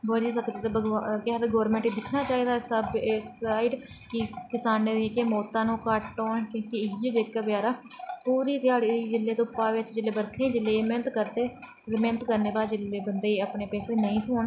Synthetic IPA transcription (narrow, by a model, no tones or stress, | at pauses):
bəd͡ʒiːsəkd̪et̪eːbəɡakɛɦt̪eːɡɔːɾmẽːɳʈiːd̪ɪkʰnaːt͡ʃaːɦiːd̪aːsəbeːsaːiːɖ | kikɪsaːneːd̪ekeːmɔːt̪ãːnũːkəʈʈoːɳkõːkiɪjed͡ʒeːkabəaːɾaː | puːɾiːt̪ɪaːɽid͡ʒɪlːeːt̪õːpaːʋɪt͡ʃd͡ʒɪleːbəɾkʰẽːd͡ʒɪlːeːmeːnət̪kəɾt̪eː | emeːnət̪kəɾneːbaːɾd͡ʒɪleːbənd̪eːəpneːpɛːseːnəĩːt̪ʰoːɳ